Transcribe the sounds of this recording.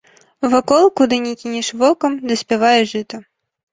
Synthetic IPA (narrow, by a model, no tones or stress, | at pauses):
vɐkɔlˠkud̪ɨnʲikʲinʲɛʂvɔkɐmd̪ɐsʲpʲɛvajɛʐɨt̪ɐ